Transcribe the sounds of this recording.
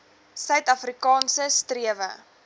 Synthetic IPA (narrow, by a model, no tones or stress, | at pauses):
sœɥtɐfrikɑːnsəstriəvə̰